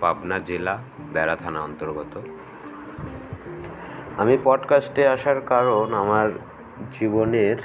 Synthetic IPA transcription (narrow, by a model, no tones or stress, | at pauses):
pabnad͡ʑela | bɛɾat̪ʰanaɔnt̪oɾɡɔt̪o | amipɔɖkasʈeaʃaɾkaɾonamaɾ | d͡ʑiboneɾ